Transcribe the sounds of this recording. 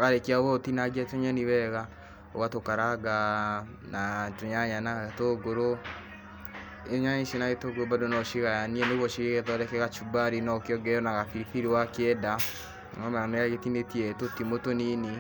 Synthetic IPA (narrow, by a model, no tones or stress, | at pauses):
kaɾekiaɣotinaɡiatoɲaniwɛɣa | oɣatokaɾaɡa | natoɲaɲanaɣetoɡoɾo | ɲaɲiʃenaɣetoɡoɾobadonɔʃiɣajaniɛneɣɔʃiɣeɣɛðɔɾɛkɛɣat͡ʃubaɾinɔkeɔɡɛɔnaɣafiɾifiɾiwakɛda | ŋɔmaɾamɾaɣetinetiɛtotimotonini